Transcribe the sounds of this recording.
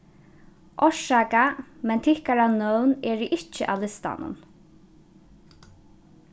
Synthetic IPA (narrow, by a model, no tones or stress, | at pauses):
ʔɔʂaːkamɛnt̪ʰɪhkaɾanœwnɛːɾɪʔɪt͡ʃːəʔa̰lɪst̪a̰nʊ̰n